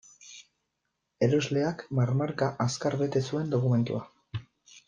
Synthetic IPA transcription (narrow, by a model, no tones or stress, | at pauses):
e̞ɾo̞zle̞akmaɾmaɾkaʔaskaɾβe̞t̪e̞sue̞nd̪o̞kume̞nt̪ṵa